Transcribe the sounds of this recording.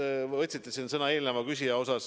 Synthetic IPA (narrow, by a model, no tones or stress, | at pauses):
ɤt̪ʲsit̪ːˑesinsɤnɑe̞ːlnevɑkysʲijɑo̞sɑs